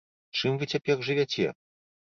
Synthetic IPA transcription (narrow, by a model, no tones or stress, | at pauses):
t͡ʂɨmvɨt͡sʲapʲɛxʐɨvʲat͡sʲɛ̰